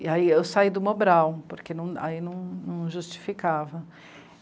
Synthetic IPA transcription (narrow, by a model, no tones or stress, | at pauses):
iaiewsaid̪ʊmobɾawpoɾkenɐ̃w̃a̰inɐ̃w̃nɐ̃w̃ʒust͡ʃi̥fikavɐ